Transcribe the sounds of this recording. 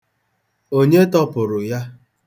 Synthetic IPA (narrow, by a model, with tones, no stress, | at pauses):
o˦ɲe˦tɔ˦pʊ˨ɾʊ˨ja˦